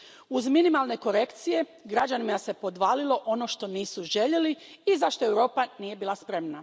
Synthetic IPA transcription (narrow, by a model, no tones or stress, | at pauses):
uzminimalˠne̞ko̞ɾe̞kt̪sije̞ | ɡɾad͡ʒanimase̞po̞d̪ʋaːlilˠo̞ʔo̞no̞ʃt̪o̞niːsuʒe̞ʎe̞li | izaʃt̪o̞ewɾo̞ːpanije̞biːlˠaspɾe̞mna